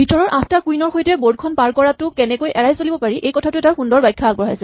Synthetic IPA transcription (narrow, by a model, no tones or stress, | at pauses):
bʱitɔɹɔɹʔãstakujnɔɹxojtɛboɹd̚kʰɔnpaɹkɔɹatʊkɛnɛkojʔɛɹajsolibɔpaɹiʔejkɔtʰatʊɛtaɹxundɔɹbajkʰːaaɡ̚bɔɦajsɛ